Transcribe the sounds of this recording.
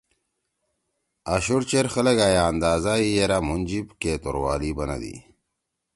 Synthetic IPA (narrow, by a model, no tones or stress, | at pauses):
aɕuɾt͡ɕeɾxɐlɐɡaːjaːnd̪aːzaijeɾamund͡ʑibkeːt̪o̰ɾwa̰ːlibɐna̰d̪ḭ